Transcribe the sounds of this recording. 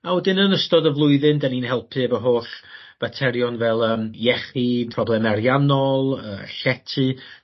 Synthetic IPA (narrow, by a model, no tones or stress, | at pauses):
awɛdɪnənəstɔdəvlˠʊɨðɨndaninhɛlˠpʰɨəvəɦoːɬ | v̥atʰɛɾjɔnvɛlˠəːmjɛχipʰrɔblˠɛmɛɾjanɔlˠəːɬɛtʰɨ